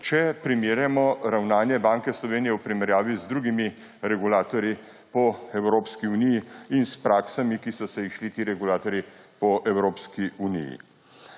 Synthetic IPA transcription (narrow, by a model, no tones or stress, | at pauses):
t͡ʃɛpɾimiːɾjamɔɾawnaːnjɛbaːŋkɛslɔʋeːnijɛwpɾimɛɾjaːʋizd̪ɾuːɡimi | ɾɛɡulaːt̪ɔɾji | pɔɛwɾoːpskiunijiinspɾaːksamikisɔsɛiʃlit̪iːɾɛɡulaːt̪ɔɾjipɔʔɛwɾoːpskiunḭjḭ